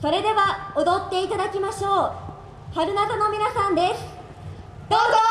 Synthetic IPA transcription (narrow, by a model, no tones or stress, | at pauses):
so̞ɾe̞d̪e̞βaod̪o̞t̪ːe̞it̪ad̪akʲimaɕo̞ː | haɾɯ̟nat̪ano̞mʲinasãnd̪e̞sɨ̥ | d̪̥oːzo